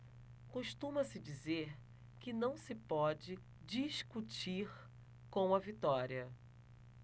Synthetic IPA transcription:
kuʃt̪ũmɐsɪd͡ʒizeɾ | kɪnɐ̃w̃sɪpɔd͡ʒɪ | d͡ʒiʃkut͡ʃiɾ | kõw̃ɐvit̪ɔɾiɐ

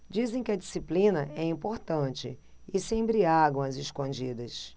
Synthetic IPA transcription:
d͡ʒizẽj̃kɪɐd͡ʒisiplĩnɐʔɛĩmpoɾt̪ɐ̃t͡ʃɪ | ɪsẽj̃bɾiaɡɐw̃ɐzɪʃkõd͡ʒid̪ɐs

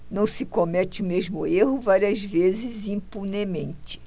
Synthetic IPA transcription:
nɐ̃w̃sɪkomɛt͡ʃɪʊmezmʊeɦʊvaɾiɐzvezɪzĩmpunemẽnt͡ʃɪ̥

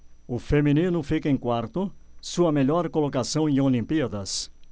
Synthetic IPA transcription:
ʊfemĩnĩnʊfikɐẽj̃kwaɾt̪ʊsuɐmeʎɔɾkolokasɐ̃w̃ẽolĩmpiɐd̪ɐs

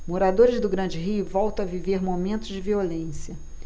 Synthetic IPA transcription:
moɾad̪oɾɪzd̪ʊɡɾɐ̃nd͡ʒɪɦiʊvɔwt̪ɐ̃w̃aviveɾmomẽnt̪ʊzd͡ʒɪviolẽsiɐ

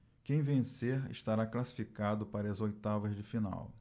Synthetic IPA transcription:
kẽj̃vẽseɾɪ̰ʃt̪aɾaklasi̥fikad̪ʊpaɾɐɐzojt̪avɐzd͡ʒɪfina̰w

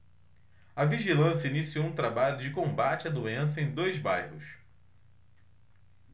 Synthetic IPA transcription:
ɐviʒilɐ̃sjɐinisiowũt̪ɾabaʎʊd͡ʒɪkõmbat͡ʃɪɐd̪uẽs̬ɐẽj̃d̪ojzbajhʊs

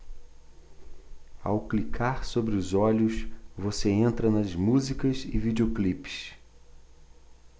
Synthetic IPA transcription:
a̰wklikʰaɾsobɾɪʊzɔʎʊsvoseẽnt̪ɾɐnɐzmuzikɐzɪvid͡ʒeoklipɪ̥ʃ

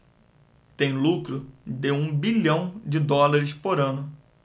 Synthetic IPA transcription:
t̪ẽj̃lukɾʊd̪ɪũbiʎɐ̃w̃d͡ʒɪd̪ɔlaɾɪspoɾɐ̃nʊ

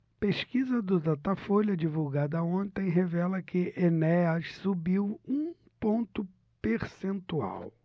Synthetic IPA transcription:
peʃkizɐd̪ʊt̪at̪afoʎɐd͡ʒivuwɡad̪ɐõnt̪ẽj̃ɦevɛlɐkʰɪʔenɛɐʃsubiwũ | põnt̪ʊ | peɾsẽnt̪ua̰w

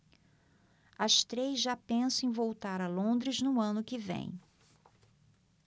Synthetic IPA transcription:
ɐst̪ɾezʒapẽsɐ̃ẽj̃vowt̪aɾɐlõnd̪ɾɪznʊɐ̃nʊkɪvḛ̃j̃

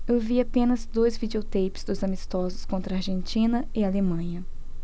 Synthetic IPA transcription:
ewviapẽnɐzd̪ojzvid͡ʒiot̪ejpɪ̥zd̪ʊzamist̪ɔzʊskõnt̪ɾɐaɾʒẽnt͡ʃĩnɐɪalemɐ̃ɲɐ

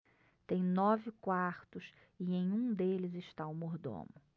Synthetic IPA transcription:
t̪ẽj̃nɔvɪkwaɾt̪ʊs | ɪnẽj̃ũd̪elɪzɪʃt̪awmoɾd̪õ̰mʊ

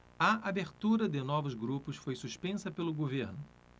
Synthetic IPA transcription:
ɐabeɾt̪uɾɐd̪ɪnɔvʊzɡɾupʊsfojsuʃpẽsɐpelʊɡoveɾnʊ

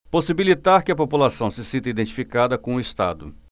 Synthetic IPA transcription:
posibilit̪aɾkɪɐpopulasɐ̃w̃sɪsĩnt̪ɐid̪ẽnt͡ʃi̥fikad̪ɐkõʊɪst̪a̰d̪ʊ

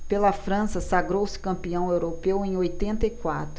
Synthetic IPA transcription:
pelɐfɾɐ̃sɐsaɡɾowsɪ̥kɐ̃mpiɐ̃w̃ewɾopewẽj̃ojt̪ẽnt̪ɐikwa̰t̪ɾʊ

